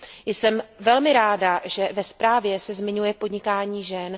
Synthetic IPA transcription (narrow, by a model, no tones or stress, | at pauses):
jsɛmvɛlmɪɾaːdaʒɛvɛspɾaːvjɛsɛzmɪɲujɛpodɲɪkaːɲiːʒɛn